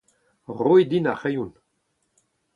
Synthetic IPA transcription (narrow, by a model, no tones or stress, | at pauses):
ʁojd̪inaχejun